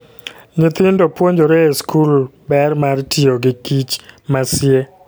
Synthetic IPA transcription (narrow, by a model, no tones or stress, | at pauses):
ɲɪt̪ɪndopwoɲd͡ʒoɾeeskulbɛrmartioɡɪkit͡ʃmasɪe